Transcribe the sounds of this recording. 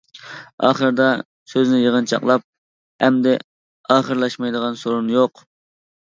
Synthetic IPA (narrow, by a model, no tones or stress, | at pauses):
ɑ̰ːχəɾd̪ɑ | søznɪjəʁənt͡ʃʰɑ̰qlˠɑp̚ | ɛmd̪ɪ | ɑːχəɾlˠɑʃmɑjd̪əʁɑnsoɾunjoq